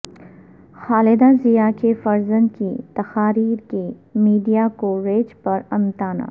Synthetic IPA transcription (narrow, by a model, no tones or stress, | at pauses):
xaːlɪd̪azijaːkefɐɾzə̃nkit̪ɐxaːɾiːɾkemiːɖijakoɾeːd͡ʒpɐɾɐ̃nt̪aːna̰ː